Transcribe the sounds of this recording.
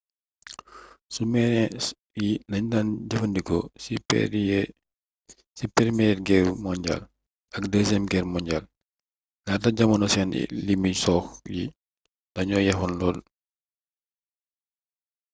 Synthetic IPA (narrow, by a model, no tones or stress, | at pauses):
sumɛnɛ | jindɐɲdanɟɐfɐndikɔsipɛ̰ | sipɛɾmɛɛɡɛrmɔɲɟa̰l | ʔɐkdɛzɛmɡɛrmɔɲɟal | ŋaːtɐɟɐmɐnɔsɛnḭlimisɔːxji | ndɐɲɔːjɐfɔnlɔːl